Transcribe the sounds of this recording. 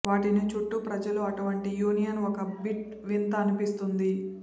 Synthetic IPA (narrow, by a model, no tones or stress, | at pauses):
ʋaːʈinit͡ʃuʈːupɾɐd͡ʒɐluɐʈuʋɐɳʈijuːnijɐnɔkɐbiʈ̚ | ʋint̪ɐːnipist̪und̪i